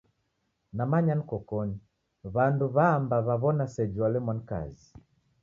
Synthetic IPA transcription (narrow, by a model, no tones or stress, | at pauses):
namaɲanikɔkɔni | βanduβaːmbaβaβɔnasɛd͡ʒualɛmwanka̰zi